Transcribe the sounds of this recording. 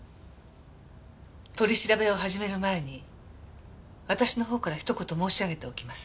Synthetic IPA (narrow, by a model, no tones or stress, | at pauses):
t̪o̞ɾʲiɕiɾabe̞o̞ɦaʑime̞ɾɯ̟mae̞ɲ̟i | β̞at̪aɕino̞ɦo̞ːkaɾaçi̥t̪o̞ko̞t̪o̞mo̞ːɕiaɡe̞t̪e̞o̞kʲimasɨ̥